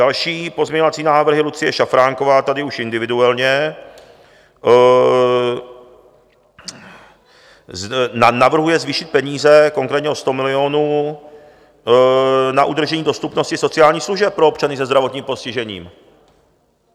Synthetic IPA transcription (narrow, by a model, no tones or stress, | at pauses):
alʃiːpo̞zmɲɛɲovat͡siːnaːvr̩ɦɪlut͡sɪjɛʃafɾaːŋko̞vaːt̪adɪuʃʔɪndɪvɪduɛlɲɛ | navr̩ɦujɛzviːʃɪt̪̚pɛɲiːzɛko̞ŋkɾɛːt̪ɲɛost̪o̞mɪlɪo̞nuː | naʔud̪r̩ʒɛɲiːdo̞st̪upnoscɪso̞t͡sɪaːlɲiːxsluʒɛp̚pːɾo̞opt͡ʃanɪsɛzdɾavo̞t̪ɲiːmpo̞scɪʒɛɲḭːm